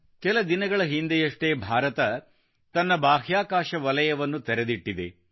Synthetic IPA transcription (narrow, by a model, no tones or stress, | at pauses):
kɛlɐd̪inɐɡɐɭɐɦind̪ejɐʂʈeːbʱaːɾɐt̪ɐ | t̪ɐnːɐbaːɦjaːkaːʃɐʋɐlɐjɐʋɐnːut̪ɛɾed̪iʈːid̪e